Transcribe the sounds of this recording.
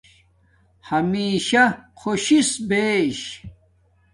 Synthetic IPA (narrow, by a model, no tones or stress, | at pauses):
hɐmiːɕɐkʰoɕisbeːɕ